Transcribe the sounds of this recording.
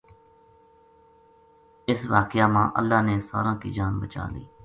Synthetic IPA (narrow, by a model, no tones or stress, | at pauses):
ɪsʋaːkɪjaːmãːʔə̰lːaːneːsa̰ːɾãːkḭːd͡ʒaːnbət͡ʃa̰ːlḭː